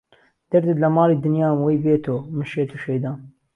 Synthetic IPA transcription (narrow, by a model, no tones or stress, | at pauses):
d̪̥ɐɾd̪ɨt̪lɐmɑːlˠiːd̪ɨnjaːmwejbeːt̪ʰoːmɨʃeːt̪uʃejd̪ɑːn